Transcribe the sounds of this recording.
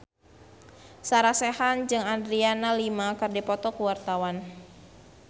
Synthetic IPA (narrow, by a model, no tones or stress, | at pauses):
saɾasɛhand͡ʒɨŋand̪ɾianalimakɨrdipɔt̪ɔkuwart̪awan